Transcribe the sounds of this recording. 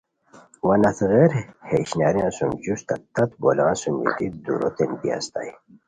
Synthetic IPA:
wɐnɐθɣeɾheɕnaɾjãsumd͡ʑust̪ɐt̪ːɐt̪bolãːsumḭt̪id̪uɾo̰t̪enbia̰st̪a̰j

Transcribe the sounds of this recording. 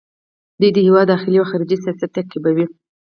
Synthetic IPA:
d̪ujd̪əhɪwɑd̪ːɑxɪliaxɑɾid͡ʒisiɑsat̪ːakibawi

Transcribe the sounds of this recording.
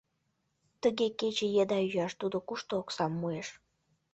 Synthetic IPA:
t̪əɣeket͡ɕejed̪ɑyjɑʃt̪ud̪okuʃt̪ooksɑmːueʃ

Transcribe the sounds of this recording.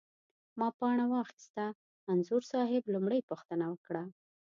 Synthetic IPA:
mɑpɑɳ̃awɑxt̪st̪aː | nzʊɾsɑɦɪblumɽəjpuxt̪ənawəkɽa

